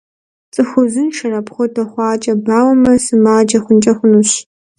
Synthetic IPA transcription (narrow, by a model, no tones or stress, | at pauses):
t͡sʼɨxʷʊzɨnʃɐrɐpχʷɔtʰɐχʷɑːt͡ʃʼɐbaːwɐmɐsɨmaːd͡ʒɐχʷʊnt͡ʃʼɐχʷʊnuɕ